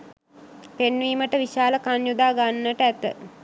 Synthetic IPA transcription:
penʋiːməʈəʋiʃaːləkanjud̪aːɡanːəʈəæt̪ə̰

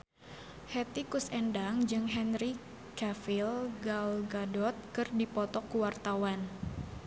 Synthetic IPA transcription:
hɛt̪ikusɛndaŋd͡ʒɨŋɦɛnɾi | kafilɡalɡadɔt̪̚kɨrdipɔt̪ɔkuwart̪awan

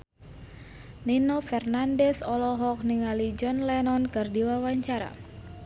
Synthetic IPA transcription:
ninofɛrnandɛsɔlɔɦɔk̚niŋalid͡ʒɔnlɛnɔnkɨrdiwawaɲt͡ʃaɾa̰

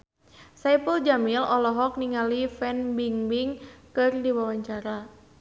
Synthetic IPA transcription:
sajpəld͡ʒamilɔlɔɦɔk̚niŋalifɛnbiŋbiŋkɨrdiwawaɲt͡ʃaɾa

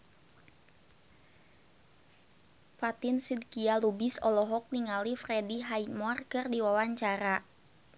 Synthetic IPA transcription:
fat̪insid̚kialubisɔlɔɦɔk̚niŋalifrɛdiɦaimɔrkɨrdiwawaɲt͡ʃaɾa

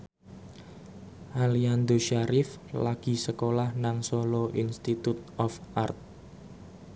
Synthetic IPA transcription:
ʔaliand̪oʃaɾɪflaɡ̥i̤səkolahnaŋsolɔʔinst̪it̪ut̪̚ɔfʔart̪̚

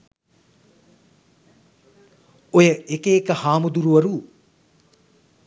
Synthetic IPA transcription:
ojəʔekeːkəhaːmud̪uɾuʋɐɾu

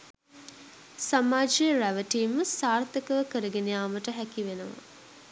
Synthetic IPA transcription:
samaːd͡ʒijəɾæʋəʈiːməsaːrt̪əkəʋəkəɾəɡenejaːməʈəɦækiʋenəʋa̰

